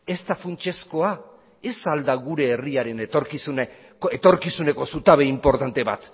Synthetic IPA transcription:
e̞st̪afunt͡ʃe̞sko̞a | e̞sald̪aɣuɾe̞ːriaɾe̞net̪oɾkisune | et̪o̞ɾkisune̞ko̞sut̪aβ̞e̞impo̞ɾt̪ant̪e̞βa̰t̪

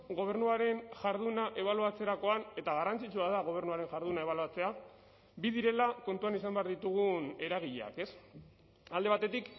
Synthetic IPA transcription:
ɣo̞β̞e̞ɾnuaɾe̞nʝaɾð̞unaʔe̞β̞aluat͡se̞ɾako̞ane̞t̪aɣ̞arant͡sit͡ʃuaðaɣ̞o̞β̞e̞ɾnuaɾe̞nʝaɾðunae̞βaluat͡se̞a | bið̞iɾe̞lako̞nt̪uanisambe̞aɾðit̪uɣ̞une̞ɾaɣ̞iʎḛa̰ke̞s | ald̪e̞β̞at̪e̞t̪ik

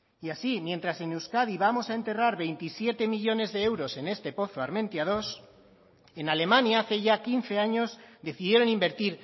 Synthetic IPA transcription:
iasimjẽ̞nt̪ɾase̞newskaðiβamo̞sae̞nt̪e̞raɾβe̞jnt̪isje̞t̪e̞miʎo̞ne̞zðe̞ewɾo̞se̞ne̞st̪e̞po̞θoaɾmẽ̞nt̪jað̞o̞s | e̞nale̞mãnjaaθe̞ʝakin̟θe̞aɲo̞zd̪e̞θiðje̞ɾo̞nimbe̞ɾt̪iɾ

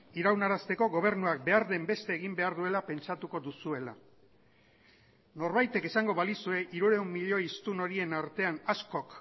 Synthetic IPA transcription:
iɾawnaɾast̪e̞ko̞ɣo̞β̞e̞ɾnuak̚be̞aɾðe̞mbe̞st̪e̞ːɣimbe̞aɾðue̞lape̞nt͡ʃat̪uko̞ðusue̞la̰ | no̞ɾβajt̪e̞kesaŋɡo̞βalisue̞ʔiɾuɾe̞umːiʎo̞ist̪uno̞ɾie̞naɾt̪e̞anasko̞k

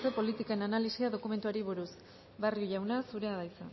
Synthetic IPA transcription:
t̪epo̞lit̪ikaenanalisiaðo̞kume̞nt̪uaɾiβ̞uɾus | barioʝawnasuɾe̞aðajsa

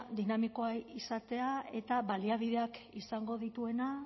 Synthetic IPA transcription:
d̪inamiko̞ajisat̪e̞ae̞t̪aβaliaβiðe̞akisaŋɡo̞ðit̪ue̞na

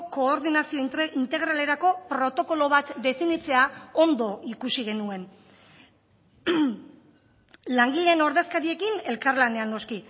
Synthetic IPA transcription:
ko̞ːɾðinasio̞int̪e̞ɣ̞ɾale̞ɾako̞pɾo̞t̪o̞ko̞lo̞βat̪d̪e̞finit͡se̞ao̞nd̪o̞ʔikusiɣ̞e̞nue̞n | laŋɡiʎe̞ːno̞ɾðe̞skaɾie̞kine̞lkaɾlane̞anːo̞ski

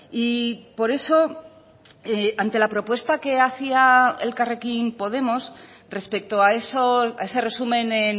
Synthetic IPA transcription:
ipo̞ɾe̞so̞ | eant̪e̞lapɾo̞pwe̞st̪ake̞aθiaḛlkare̞kimpo̞ðe̞mo̞s | re̞spe̞k̚t̪oaesoae̞se̞re̞sumẽ̞nen

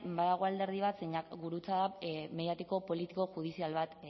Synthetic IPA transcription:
baðaɣuald̪e̞ɾð̞iβ̞at̪seɲakɡuɾut͡saðameðjat̪iko̞po̞lit̪iko̞xuð̞isialβat̪

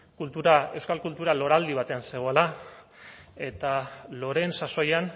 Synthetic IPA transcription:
kult̪uɾae̞wskalkult̪uɾalo̞ɾald̪iβ̞at̪e̞anse̞ɣ̞oela | e̞t̪alo̞ɾe̞nsaso̞jan

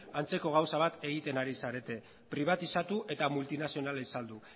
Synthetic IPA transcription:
ant͡se̞ko̞ɣ̞awsaβ̞at̪e̞ɣit̪e̞naɾisaɾe̞t̪e̞ | pɾiβat̪isat̪uʔe̞t̪amult̪inasio̞naleisald̪u

